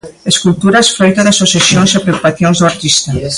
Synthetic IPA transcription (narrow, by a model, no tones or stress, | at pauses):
eskult̪uɾasfɾojt̪aðasosjasjõŋsapɾeokupaθjoŋzðoaɾt̪ist̪a